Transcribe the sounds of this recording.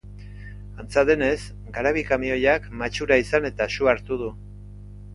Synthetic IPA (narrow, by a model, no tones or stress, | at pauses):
ant͡saðe̞ne̞s | ɡaɾaβikamio̞jakmat͡ʃuɾaisane̞t̪aʃuaɾt̪uð̞u